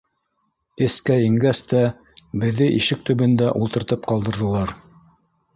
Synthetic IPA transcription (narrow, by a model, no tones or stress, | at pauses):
ɘ̆skæiŋɡæst̪æ | bɘ̆ðːɘʔiʃɘk̚t̪ɵ̆βɘ̆nd̪æʔulˠt̪ɤ̆ɾt̪ɤp̚qɑlˠd̪ɤ̆ɾðɤ̆lˠɑɾ